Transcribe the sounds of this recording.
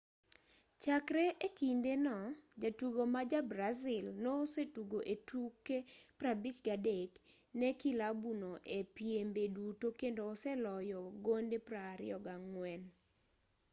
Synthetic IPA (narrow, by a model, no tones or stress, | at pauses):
t͡ʃakɾeʔekindenɔd͡ʒatuɡomad͡ʒabɾazɪlnosetuɡoʔetukepɾabit͡ʃɡadek | nɛkilabunoʔepjembedutokendoːsɛlɔjɔɡondepɾaɾɪ̰ɔɡaŋwɛn